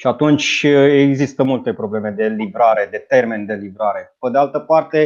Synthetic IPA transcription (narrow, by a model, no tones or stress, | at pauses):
iat̪unt͡ʃʲeɡzist̪əmult̪e̞pɾo̞ble̞me̞d̪e̞livɾaɾe̞d̪e̞t̪e̞rme̞nd̪e̞livɾaɾe̞ped̪ealt̪əpart̪e̞